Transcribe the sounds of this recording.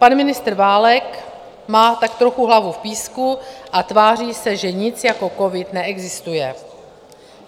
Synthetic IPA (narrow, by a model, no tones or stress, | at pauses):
panmɪnɪst̪r̩vaːlɛk | maːt̪ak̚t̪ɾoxuɦlavufpiːskuʔat̪vaːr̝iːsɛʒɛɲɪt͡sjako̞ko̞vɪt̪nɛʔɛɡzɪst̪ujɛ